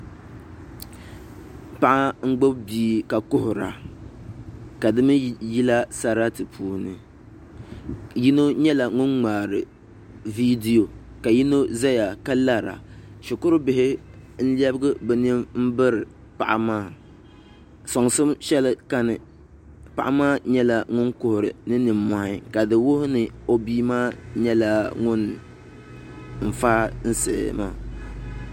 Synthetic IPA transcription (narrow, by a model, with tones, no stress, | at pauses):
pa˨ʔa˦ŋ̩˦ɡ͡bo˦bbiː˦ka˨kʊ˦hʊ˨ɾa̰˨ | ka˨dɨ˦mɨ˦ji˦la˦sa˦ɾa˦tɨ˨pʰuː˦nɨ˨ | ji˦no˦ɲɛ˦la˨ŋʊ˦nŋ͡maː˨ɾɨ˨ | viː˦di˦jo˨ | ka˨ji˦no˦za˦ja˨ka˦la˦˨ɾa̰˨ʃʊ˨kʊ˦ɾʊ˦bɪ˨hɪ˦n̩˦li˦ɛ˦bɡɨ˦bɛ˨nɨ˦mm̩˦bɨ˦ɾɨ˨ | pa̰˨ʔa̰˨maː˦˨ | sɔ˨ŋ˨sɨ˦mʃɛ˦lɨ˦ka˦nɨ˨ | pa̰˨ʔa˦maː˦ɲɛ˦la˦ŋʊ˦ŋkʊ˨hʊ˨ɾɨ̰˨nɨ˦nɨ˨mːa˨hɪ˦ka˨dɨ˨wʊ˦hʊ˦nɨ˨o˦biː˦maː˦ɲɛ˦la˦ŋʊ˦n˨ | m̩˨faː˦n̩˦sɨ̰˨ma̰ː˦˨